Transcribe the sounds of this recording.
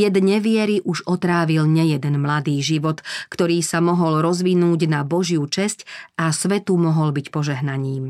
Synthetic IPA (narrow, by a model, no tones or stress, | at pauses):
jɛd̪ɲɛʋɪɛɾiʔuʒɔt̪ɾaːʋilɲɛjɛd̪ɛnmlad̪iːʒiʋɔt̪kt̪ɔɾiːsamɔɦɔlɾɔzʋinuːɟnabɔʒjut͡ʃɛscasʋɛt̪umɔɦɔlbicpɔʒɛɦnaɲiːm